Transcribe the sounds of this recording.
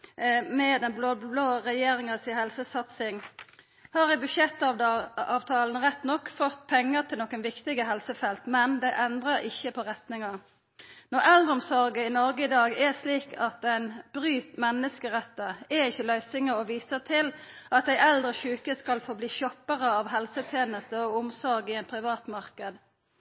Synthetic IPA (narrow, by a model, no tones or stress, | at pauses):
mɛd̪ɛnblobloːʁɛjeːʁɪŋəsɪhɛlsəsɑt̪sɪŋ | hɑːʁɪbʉʃjɛt̪ːɑɑːʋt̪ʰɑːln̩ʁɛt̪nɔkːfɔt̪ːpʰɛŋːəʁt̪ʰɪlnɔkːənʋɪkt̪ɪɡəɦɛlsəfɛlt̪mɛnd̪ɛʔɛnd̪ʁəʁɪçːəpʰɔʁɛt̪nɪŋɑ | nɔʁɛld̪ʁəʊmsɔʁɡəɪnɔʁɡəɪd̪ɑːɡɛsliːkʰɑt̪̚d̪ɛɪnb̥ʁyːt̪mɛnəskəʁɛt̪ːəɛɪçːəlœʏsɪŋəɔʋiːsəʁt̪ʰɪlʔɑt̪æɪʔɛld̪ʁəɕʉːkəskɑlfoːbliːʃɔpːəʁəɑʋɦɛlsət̪ʰjeːnəst̪əɔʊmsɔʁɡɪɛɪnpʰʁɪʋɑːt̪mɑʁkəd̪